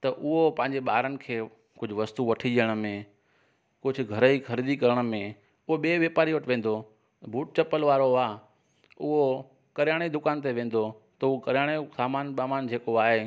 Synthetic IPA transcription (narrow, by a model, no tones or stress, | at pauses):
t̪ɐʔʊɦopɐ̃ɦɪ̃ɲd͡ʑeɓaːɾənɪ̆kʰeː | kʊd͡ʑʱʊʋɐst̪uʋɐʈʰiʄəɽ̃ə̆mẽ | kʊd͡ʑʱʊ̆ɡʱɐɾəixʰɐɾid̪ikɐɾəɽ̃ə̆mẽ | ʊɦoɓeːʋjeːpaːɾiʋɐʈʰʋẽːn̆d̪o | bʱuːʈ̚t͡ɕɐpəlʋaːɾoaː | ʊɦo | kɐɾjaːɽ̃ed̪ʊkaːnt̪̬eʋẽːn̆d̪ot̪ɐʊokɐɾjaːɽ̃esaːmaːnɓaːmaːnd͡ʑʱeːkoaːɦe